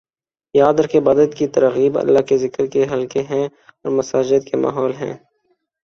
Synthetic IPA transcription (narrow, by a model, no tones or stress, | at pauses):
jaːd̪əɾkebɐd̪əd̪kit̪ɐɾɣiːbɐ̰lːaɦkezɪkəɾkeɦɐlkeɦɛ̃ | ɔːɾmɐsaːd͡ʒɪd̪kema̰ːɦɔːlɦɛ̰̃ː